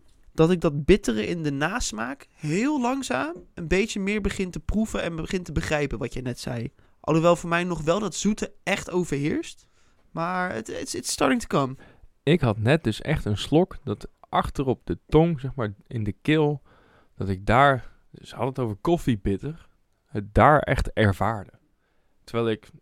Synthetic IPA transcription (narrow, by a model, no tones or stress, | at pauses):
d̥ɑtɪɡ̚dɑd̚bɪtərəʔɪndənaːsmaːkɦɪːlˠlɑŋzaːmənbejtt͡ʃəmɪːɹbəχɪntəpruvənɛnbəχɪntəbəχrɛjpənʋɑtjəjnɛtsɛ̰j | ʔɑ̰lˠoʋɛlˠvʊːɹmɛjnɔχʋɛlˠdɑtz̥utəɛχtowvəɹɦɪːɹst | maːɹə̰tɪstɑɹtɪŋtə̥kəm | ɪkɦɑtnɛt̚dɵsɛ̰χtənslɔkdɑtʔɑχtərɔp̚dətɔŋzɛχmaːɹɪndəkɪlˠ | d̥ɑtɪɡ̚daːɹ | səhɑdəətowvəɹkɔfibɪtər | hət̚daːɹɛ̰χtɛɹv̥aːɹdə | təɹʋɛjlˠɪk